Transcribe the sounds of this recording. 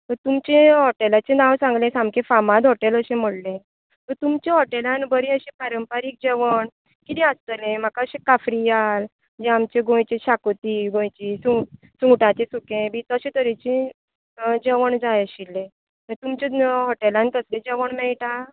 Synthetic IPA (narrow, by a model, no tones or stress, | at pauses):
t̪əɾt̪umt͡ɕẽɦɔʈelat͡ɕẽnãwsãŋɡlẽsãmkẽfamad̪ɦɔʈeləɕẽm̤əɽlẽ | t̪əɾt̪umt͡ɕeɦɔʈelãnbəɾĩəɕipaɾəmpaɾik̚d͡ʑɛʋəɳ | kit̪ĩast̪əlẽm̤akaəɕẽkafɾijal | d͡ʑẽamt͡ɕeɡõjt͡ɕeɕakot̪iɡõjt͡ɕisũ | sũʈãt͡ɕesukẽbit̪əɕẽt̪əɾit͡ɕĩ | d͡ʑɛʋəɳd͡zajəɕilːẽ | t̪əɾt̪umt͡ɕeɦɔʈelãnt̪əslẽd͡ʑɛʋəɳmɛɭʈa